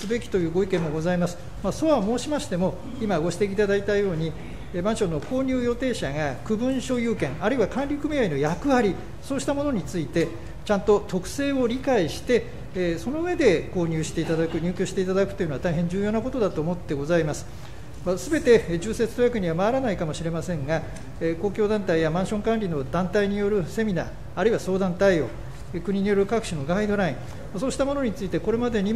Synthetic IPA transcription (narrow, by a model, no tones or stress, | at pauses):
sɨbe̞kʲi̥t̪o̞jɯ̟ːɡo̞ikẽ̞mːo̞ɡo̞zaimasɨ̥ | maːso̞βamo̞ːɕimaɕi̥t̪e̞mo̞ | imaɡo̞ɕi̥t̪eiːt̪ad̪ait̪ajo̞ːɲ̟i | bãɰ̃ɕo̞nːo̞kʰo̞ːɲ̟ʲɨːjo̞t̪e̞ːɕaŋakɯ̟bɯ̟̃ɕo̞jɯːkẽ̞ŋaɾɯ̟iβakãnɾʲikɯ̟mʲiaino̞jakɯ̟βaɾʲi | so̞ːɕi̥t̪amo̞no̞ɲ̟it͡sɨit̪e̞ | t͡ɕãnt̪o̞t̪ʰo̞kɯ̟̥se̞ːo̞ɾʲikaiɕi̥t̪e̞ | so̞no̞ɯ̟βe̞d̪e̞ko̞ːɲ̟ʲɨːɕi̥t̪e̞it̪ad̪akɯ̟ɲ̟ɨːkʲoɕi̥t̪e̞it̪ad̪akɯ̟̥t̪o̞jɯnoat̪aiɦẽ̞ɲ̟d͡ʑɨːjo̞ːnako̞t̪o̞d̪at̪o̞ːmo̞t̪ːe̞ɡo̞zaimasɨ̥ | masɨbe̞t̪e̞d͡ʑɨːse̞t͡sɨ̥t̪ojakɯ̟ɲ̟iβamaːɾanaikamo̞ɕiɾe̞masẽ̞ŋɡa | ko̞ːkʲo̞ːd̪ãnt̪aijamãɰ̃ɕõ̞ŋkãnɾʲino̞d̪ãnt̪aiɲ̟ijo̞ɾɯ̟se̞mʲina̰ː | ɾɯiβaso̞ːd̪ãnt̪aijo̞̰ː | ekɯ̟ɲ̟iɲ̟ijo̞ɾɯ̟kakɯ̟̥ɕino̞ɡaid̪o̞ɾaĩ | maso̞ːɕi̥t̪amo̞noɲ̟it͡sɨit̪e̞ko̞ɾe̞mad̪e̞ɲ̟i